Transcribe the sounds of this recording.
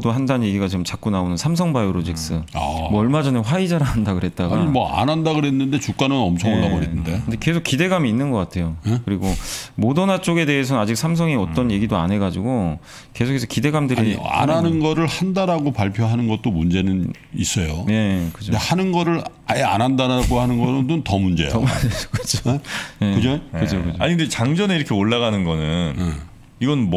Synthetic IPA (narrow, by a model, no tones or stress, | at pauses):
doɦandanje̞ɡiɡat͡ɕiɯmt͡ɕak͈unaonɯnsʰamsʰʌŋbajoɾod͡ʑik̚s͈ɯamʌʌɭmad͡ʑʌneɸwaid͡ʑaɾaɦandaɡɯɾɦe̞t̚t͈aɡaɲimʌa̰nɦandaɡɯɾɦenːɯnde̞t͡ɕuk͈̚anɯnʌmt͡ɕʰʌŋnaboneːɯndeɯndeke̞sʰok͈ːide̞ɡamiːnːɯnɡʌk͈atʰe̞jokɯɾiɡomodʌnat͡ɕ͈oɡe̞de̞ːs̬ʰʌnad͡ʑik̚sʰams̬ʰʌŋiʌt͈ʌnje̞ɡidoa̰nɦe̞ɡad͡ʑiɡo | ke̞sʰokʰesʰʌ̥kide̞ɡamdɯɾia̰nanɯnɡʌɾɯɭhandaɾaɡopaɭpʰjoɦanɯnɡʌt̚t͈omund͡ʑe̞nɯn | is͈ʌjone̞kɯd͡ʑoehanɯnɡʌɾɯɭ | aea̰nɦandaɾaɡohanɯnɡʌnɯdotʌmund͡ʑḛjʌmud͡ʑeokɯd͡ʑoje̞kɯd͡ʑokɯd͡ʑʰokɯd͡ʑoaɲindet͡ɕaŋd͡ʑʌne̞iɾʌkʰeoɭːaɣanɯnɡʌnɯn | iɡʌnm